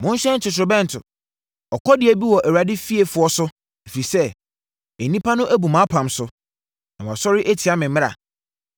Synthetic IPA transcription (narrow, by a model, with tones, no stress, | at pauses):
mʊ̃˦n˦ɕɛ̃˦n̩˦tɪ˨tʊ˨bɛ̃˦n̩˨tʰʊ˨ | ɔ˨kʰɔ˦dɪ˨æ˨bi˦wɔ˨ʔæ˨wa˨dɪ˦fi˦e˨fʊ˨ɔ˦sʊ˦ | e˨fi˨sɛ˦ | e˨nĩ˦pʰa˦nʊ̃˦ʔæ˦bu˨mã˨˦pʰã˨msʊ˦ | nã˨wã̰˨sɔ˦ɾɪ˦ʔe˦tʰi˨a˦mɪ̃˨m̩̃˦a̰˨